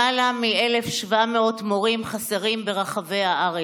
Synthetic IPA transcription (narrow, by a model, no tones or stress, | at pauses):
alamielefʃvameo̞tmoʁimχaseʁimbe̞ʁaχave̞jaʔaʁe